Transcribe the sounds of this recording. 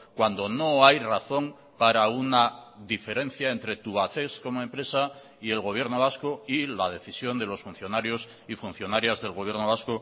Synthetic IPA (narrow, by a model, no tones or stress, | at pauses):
kwand̪o̞no̞ajraθo̞ŋ | paɾaunaðife̞ɾẽ̞n̟θjae̞nt̪ɾe̞t̪uβaθe̞sko̞moe̞mpɾe̞sa | ie̞lɣo̞β̞je̞ɾno̞β̞askoilað̞e̞θisjo̞nd̪e̞lo̞sfun̟θjo̞naɾjo̞s | ifun̟θjo̞naɾjazðe̞lɣo̞β̞je̞ɾno̞βasko